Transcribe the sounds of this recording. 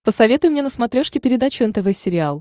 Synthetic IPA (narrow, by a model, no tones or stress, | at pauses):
pəsɐvʲe̞t̪ʊjʊmnʲenəsmɐt̪ɾʲoʂkʲɪpʲɪɾʲɪd̪at͡ɕʊɛnt̪ɛvɛsʲɪɾʲɪalˠ